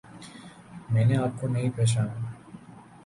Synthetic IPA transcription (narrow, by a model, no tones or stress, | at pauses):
meneap̚konejpeʃ̬an